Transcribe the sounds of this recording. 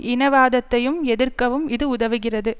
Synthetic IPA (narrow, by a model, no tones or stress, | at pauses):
ʔɪnɐʋaːðɐt̪ːɐjɯmɛðɪrkɐʋɯmɪðɯʊðɐʋɯɣɪrɐðɯ